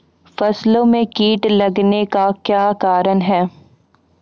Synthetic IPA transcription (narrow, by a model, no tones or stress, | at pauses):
fɐslõmẽkiːʈlɐɡnekakjaːkaːɾənɦɛː